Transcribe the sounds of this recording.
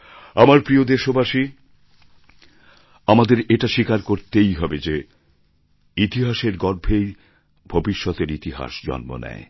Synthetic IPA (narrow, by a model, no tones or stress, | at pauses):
amaɾpɾiod̪eʃobaʃi | amad̪eɾeʈaʃikaɾkoɾt̪ejɦɔbed͡ʑe | it̪iɦaʃeɾɡɔɾbʱej | bʱobiʃːɔt̪eɾit̪iɦa̰ʃd͡ʑɔ̰nmo̰nɛ̰e